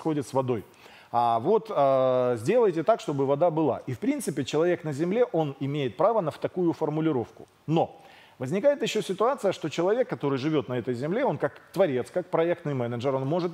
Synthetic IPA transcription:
xo̞dʲɪt̪svɐd̪o̞j | avo̞t̪əzʲdʲe̞lˠəjtʲɪt̪akʂt̪o̞bɨvɐd̪abɨlˠa̰ʔifpɾʲint̪sɨpʲɪt͡ɕɪlˠɐvʲe̞knəzʲɪmlʲe̞ʔo̞nɪmʲejɪt̪̚pɾavənəft̪ɐkujʊfərmʊlʲɪɾo̞fkʊ̥̰ | no̞ | vəzʲnʲɪkajɪt̪jɪɕːosʲɪt̪ʊat̪sɨjəʂt̪o̞t͡ɕɪlˠɐvʲe̞kːɐt̪o̞ɾɨjʐɨvʲo̞t̪nɐɛt̪əjzʲɪmlʲe̞o̞nkakt̪vɐɾʲe̞t̪skak̚pɾɐɛk̚t̪nɨjmɛnəʐɨɾo̞nmo̞ʐɨt̪

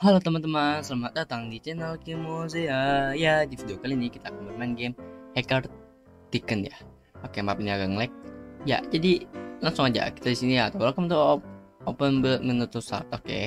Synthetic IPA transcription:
halat̪əmət̪əmasəlamat̪̚dat̪aŋdit͡ʃɛnəlkimos̬ɪhəjadifidiokalinikit̪aːkanbəmanɡemhɛkar | t̪ikənja̰ | okemapiniaɡaŋlɛk̚ja̰d͡ʒadilaŋsʊŋad͡ʒa̰ki̥t̪adisinijaːt̪awlakamt̪u | opənbəət̪̚mənut̪ʊsa̰kokḛ

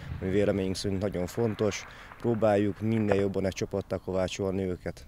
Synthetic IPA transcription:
ɒmiveːlɛmeːɲiŋksɛɾinnɒɟo̞ɱfo̞nt̪o̞ʃ | proːbaːjːukmind̪ɛjjo̞bːɒnɛkt͡ʃopot̪ːɒko̞vaːt͡ʃolnøøːkɛt̪

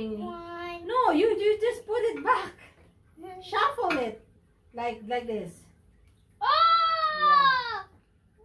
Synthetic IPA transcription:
ɪ̃ŋ | nojud͡ʒɨd͡ʒʌspʊɾɪt̚bæk | ʃafɔnɪt̚ | laɪk̚laɪk̚d̪ɪs | o

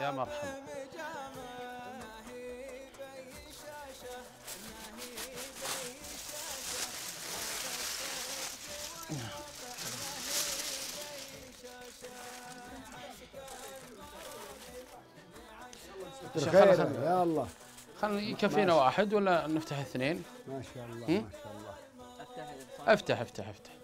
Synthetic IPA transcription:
jaməɾˤħa | ʃaajaɑlˤːɑː | xalːjkafːiːnawaːħɪd̪walːanɪft̪aħɪθneːnmaʃalːɑhalˤːɑ | ʔaft̪aħʔaft̪aħaft̪ḁħ

